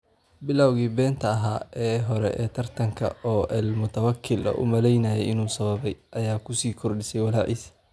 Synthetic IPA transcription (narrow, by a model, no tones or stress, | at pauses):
bɪlɐwɣiːbɛːnt̪ʰɐɐɦa̰ːʔɛːɦɔɾɛ̰ʔɛ̰ːt̪ʰɐrt̪ʰɐŋkʰɐ̰ɔːʔɛlmʊt̪ʰɐwɐkʰːɪlɐ̰ʔʊ̰mɐlɛjnɐjɛjɪnuːsɐβɐβɛjʔɐjaːkʰʊsiːkʰɔrɖɪsɛjwɑlaːʕis